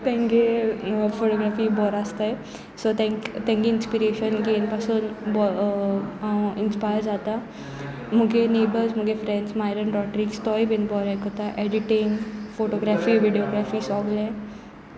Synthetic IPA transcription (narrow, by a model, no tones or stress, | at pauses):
t̪ɛ̃ŋɡefoʈoɡɾafiːbɔɾəst̪ae | sot̪ɛ̃kt̪ẽŋɡeinspiɾeɕənɡenpasuːnbɔ | ɦãwinspajəɾd͡zat̪a | m̤uɡenebəɾzm̤uɡefɾɛ̃ɳɖsmajɾənɾɔʈɾikst̪ɔjbenbɔɾekət̪aʔɛɖiʈenfoʈoɡɾafiːʋiɖioɡɾafiːsɔɡle